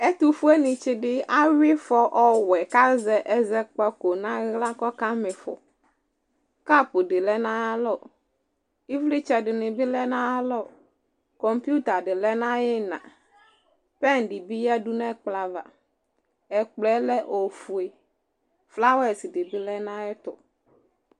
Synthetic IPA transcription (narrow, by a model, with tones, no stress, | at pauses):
ɛ˦t̪u˨fu˦ɛ˦nɪ̃˨t͡ʃɪ˦dɪ˦a˦wɪ˦fɔ˦ʔɔ˦wɛ˨ka˦zɛ˨ʔɛ˦zɛ˦k͡pɛ˦ko˨nã˦ɣla˦kɔ˦ka˦mɪ˨fɔ̰˨ | ka˦pʊ˨dɪ˨lɛ˦nã˦a˦lɔ˦˨ | i˦vli˦t͡ʃɛ˨dɪ˨nɪ̃˨bɪ˦lɛ˦nã˦a˦lɔ˦˨ | kɔ˨mpu˦t̪a˨dɪ˨lɛ˦nã˦jɪ˦nã̰˨ | pɛ˦˨n˨dɪ˨bi˦jɛ˦du˦nɛ˦k͡pla˨va̰˨ | ɛ˨k͡plɛ˦lɛ˦ʔo˨fu˨e˨ | fla˦wɛ˨sɪ˨dɪ˨bɪ˦lɛ˦nã˦jɪ˦t̪ʊ˨